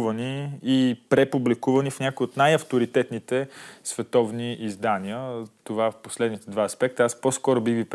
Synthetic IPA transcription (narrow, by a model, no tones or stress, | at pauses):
vəniː | pɾɛpublikuvənifnʲakoiot̪najɐft̪oɾit̪ɛt̪nit̪ɛsvɛt̪ɔvniʔizd̪aniət̪ovaɛfposlɛd̪nit̪ɛd̪vaɐspɛk̚t̪əaspɔskɔɾobiɣvip